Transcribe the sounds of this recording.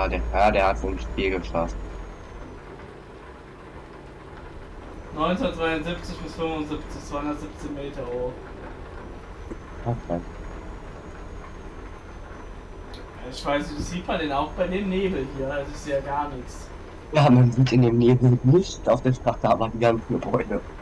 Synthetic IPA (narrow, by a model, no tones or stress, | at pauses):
adeːɐaːɐdeːɐhatsomʃpiːlɡəfa̰st | nɔʏnhʊnɐtdʁv̥aɪʊnzɪpt͡sɪçb̥ɪsfʏmvʊnzɪpt͡sɪçt͡sv̥aɪʊndɐtz̥ɪpt͡sɪçmeːtɐʁo | ana | aɪçv̥aɪsvɪçz̥iːpʰadeːnaʊxb̥aɪdeːmneːbl̩hiːɐhaltɪçz̥eːɐɡaːɐnɪçt | jaːmanziːtɪndeːmneːbl̩nɪçtaʊfd̥eːʃtʁ̥ataːmadiɡant͡s̩ɡəbɔʏdə